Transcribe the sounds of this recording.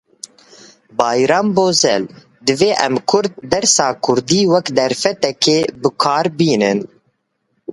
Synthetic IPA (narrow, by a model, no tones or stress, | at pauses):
bɑːjɾɑːmboːzɛ̰l | d̪ɨveːʔɛmkʰʊɾd̪̚ːɛɾsɑːkʰʊɾd̪iːwɛkd̪ɛɾfɛt̪ɛkeːbɨkʰaːɾbiːnɨn